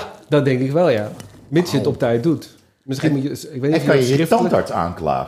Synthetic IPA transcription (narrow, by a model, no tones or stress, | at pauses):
dɔt̚dɛŋkɪkʋɛlˠjamɪtsjətɔp̚tɛjt̚dut | mɪsxinmutjəɪkʋekɔnjəiətɔndaɹtsa̰ːnkla̰ː